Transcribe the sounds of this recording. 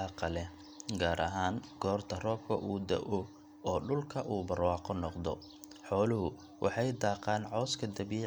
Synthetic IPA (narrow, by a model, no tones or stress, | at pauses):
qɐlɛ | ɡaːɾʔɐ̰ɦaːŋɡ̥ɔːrt̪ʰɐrɔːb̚kʰɐ̰ʔuːd̪ɐ̰ʔɔ | ɔːɖʊlkʰɐʔuːbɐrwɑːqɔnɔqd̪ɔ̰ | ħɔːlʊɦʊ | wʔɑ̰ħɑjd̪ɑːqɑːnʕɔːskʰɐd̪ɐβi